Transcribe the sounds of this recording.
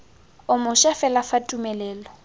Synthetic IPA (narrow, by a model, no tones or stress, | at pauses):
ʊmʊʃɛfɛlafatʼumɛlɛːlɔ